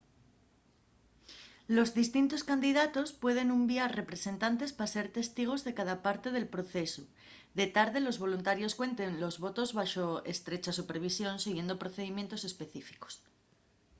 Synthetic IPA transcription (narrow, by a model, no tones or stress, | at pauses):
lo̞zðist̪int̪o̞skand̪iðat̪o̞spwe̞ð̞e̞numbjaɾre̞pɾe̞se̞nt̪ant̪e̞spase̞ɾt̪e̞st̪iɣ̞o̞zðe̞kaðapaɾt̪e̞ð̞e̞lpɾo̞θe̞su | ðe̞t̪aɾðe̞lo̞zβ̞o̞lunt̪aɾjo̞skwe̞nt̪e̞nlo̞zβo̞t̪o̞zβaʃoḛst̪ɾe̞t͡ʃasupe̞ɾβ̞isjo̞nsiɣjend̪o̞pɾo̞θe̞ðimje̞nt̪o̞se̞spe̞θifi̥ko̥s